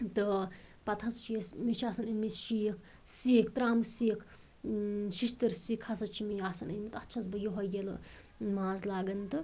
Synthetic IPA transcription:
t̪ɨpɐt̪ʰɐst͡ʃʰijesmiʃʰaːsɐnɐnmit̪ʃikʰ | siːkt̪ɾaːmsikʰ | ʃiʃt̪ɨɾsikʰɐsɐt͡ʃʰimijaːsɐnɐnʲmit̪ɐt̪ːt͡ʃʰɐzbɨjoɦɐjel̰ | maːzlaːɡɐnt̪ɨ

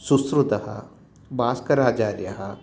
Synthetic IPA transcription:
susɾut̪ɐɦɐ̰ | baːskɐɾaːd͡ʒaːɾjɐɦɐ

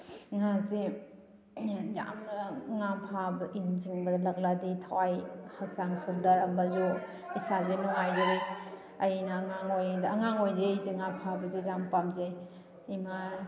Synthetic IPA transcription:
ŋazi | za̰mnŋapʰabinziŋbɐlɐk̚laditʰawajhak̚saŋsundɐɾɐmbazu | isazinuŋajd͡ʒaɾej | ɐjinɐŋaŋojdɐŋaŋojdeziŋapʰabɐzid͡ʒampamzej | ima

